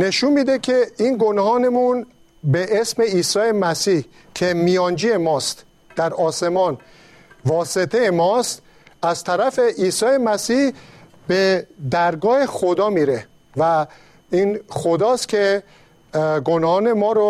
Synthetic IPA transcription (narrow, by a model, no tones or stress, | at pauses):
ne̞ʃunmiːd̪ekʰe̞inɡonhɒːnemun | beʔesme̞iːsɒːje̞mæsiːh | cʰe̞mijɒːnd͡ʒiːemɒːst̪ | d̪̥æɾɒːsemɒːn | vɒːse̞t̪ʰejemɒːst̪ | æzt̪ʰæɾæfe̞ʔiːsɒːje̞mæsiːh | be̞d̪æɾɡɒːhe̞xod̪ɒːmiːɾe̞ | væ | inxod̪ɒːst̪kʲʰe̞ | ɡonhɒːne̞mɒːɾo